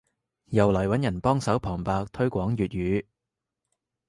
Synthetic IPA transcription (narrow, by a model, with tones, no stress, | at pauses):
jɐ˨˩wlɐː˨˩jwɐ˨˥njɐ˨˩npɔː˥ŋsɐ˨˥wpʰɔː˨˩ŋpaː˧k̚t̪ʰɵ˥ɥkʷɔː˨˥ŋjyː˨t̚jyː˨˧˥